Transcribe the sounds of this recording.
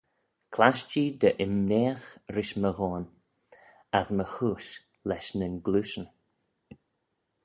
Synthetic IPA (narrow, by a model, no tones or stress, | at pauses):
kʰlaʃt͡ʃiːd̪əʔɪmnɛːxɾɪʃməɣɔːn | asməxuːʃ | lɛʃnənɡluːʃən